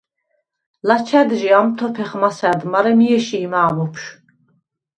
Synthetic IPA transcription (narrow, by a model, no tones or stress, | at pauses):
lat͡ʃʰɛd̪ʒiamt̪ʰɔpʰɛχmasɛd̪maɾɛmijɛʃiːmaːmupʰʃ